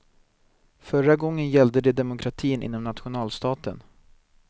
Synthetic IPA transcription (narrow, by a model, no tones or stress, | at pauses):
fœɾaɡɔŋːənjɛld̪əd̪ɛd̪ɛmʊkʰɾat̪ʰiːnʔɪ̰nːɔmnat̪ɧʊnɑːlst̪ɑːt̪ə̰n